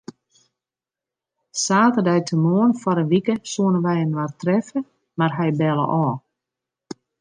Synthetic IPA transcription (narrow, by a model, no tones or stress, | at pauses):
saːtərdɛjtʰəmoənfɔɾəʋikəsuənəʋɛjənʋartrɛfə | marɦɛjbɛlˠə̰ʔɔː